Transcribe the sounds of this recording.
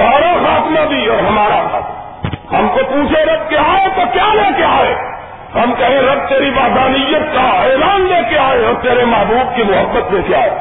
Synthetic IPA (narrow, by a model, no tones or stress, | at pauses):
aːɾasaːt̪ʰmẽb̪ʱiɔːɾɦəmaːɾasa̰ːt̪ | həmkopuːt͡ʃʰeɾəb̪̚keaːet̪okjalekeaːe | həmkəɦĩɾəb̚t̪eːɾibaːd̪ʱanijːət̪̚kaelaːnlekeaːeɔːɾt̪eːɾeməɦbʱuːbkimʊɦəbːət̪̚beːt̪ʰeaːe